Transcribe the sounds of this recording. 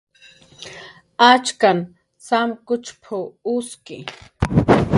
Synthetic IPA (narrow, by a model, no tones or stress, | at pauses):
at͡ʃkan | samkʊt͡ʃpʰʊʊskɪ